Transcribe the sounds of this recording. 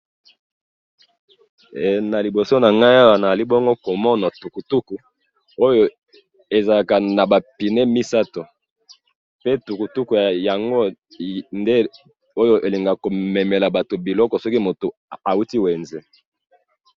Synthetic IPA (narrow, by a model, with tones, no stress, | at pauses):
na˨li˨bo˨so˦na˨ŋɡa˦ja˦wa˨na˨za˨li˦bɔ˦ŋɡo˦ko˨mɔ˦na˨tu˨ku˨tu˦ku˨ | o˦jo˨ | e˨za˨la˨ka˨na˨ba˨pi˨ne˦mi˦sa˦to˨ | pe˦tu˨ku˨tu˦ku˨ja˨ja˨ŋɡo˦ | nde˦ | o˦jo˦ʔe˨li˨ŋɡa˨ko˨me˨me˨la˨ba˨to˨bi˨lɔ˦kɔ˨sɔ˦ki˦mo˨to˨a˨u˦ti˦we˨nzɛ˦